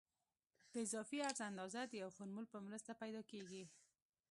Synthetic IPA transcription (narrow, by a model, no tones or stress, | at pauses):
d̪̥əɪzɑfiaɾzand̪ɑzad̪əjawxʊɾmulpəmɾəst̪apajd̪ɑkeɡi